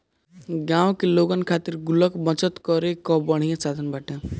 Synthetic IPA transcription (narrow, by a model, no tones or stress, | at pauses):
ɡãːwkeloɡənkʰat̪iɾɡʊləkbə̃t͡ʃət̪kɔɾekɔbəɽ̤̃ijãsad̪ʱənbaːʈẽ